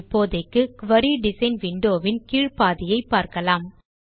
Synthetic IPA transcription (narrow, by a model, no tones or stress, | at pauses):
pːoːðɐkːɯkʋɐɾiɖɪsɐɪnʋɪɳɖoːʋɪnkiːɻpaːðɪjɐɪpːaːɾkɐlaːm